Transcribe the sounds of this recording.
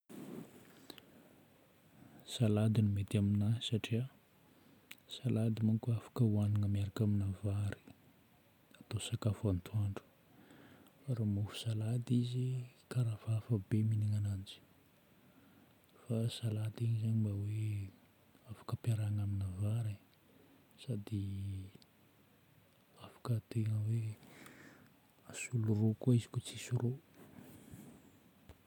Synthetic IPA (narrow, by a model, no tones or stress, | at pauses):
salad̪inimet̪aminasaʈ͡ʂia | salad̪imuŋkʲuafḁkəwanaŋəmiaɾakaminavaɾi̥ | at̪osakafant̪uaɳɖ͡ʐu̥ | ɾamufu̥salad̪izikaɾavafəbeminiŋanand͡ʒi̥ | fasalad̪iɲizaɲimbawe | afḁkəpiaɾaŋaminavaɾe | sad̪i | afḁkət̪eŋəwe | asulurokoizi̥kut͡sisuɾo